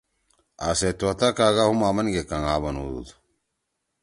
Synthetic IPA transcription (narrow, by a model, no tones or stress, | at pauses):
aset̪uwɐt̪akaːɡahumaːmɐnɡekɐŋaːβɐnṵd̪ṵd̪